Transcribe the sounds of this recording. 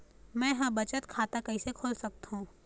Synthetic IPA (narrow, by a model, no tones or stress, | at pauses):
mɛ̃ːjɦãbɐt͡ʃət̪kʰaːt̪akɐisekʰoːlsɐk̚t̪ɦũː